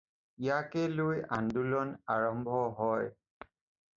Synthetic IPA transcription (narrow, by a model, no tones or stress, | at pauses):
ijakɛlʊja̰ndulɔnaɹɔmbʱɔɦɔj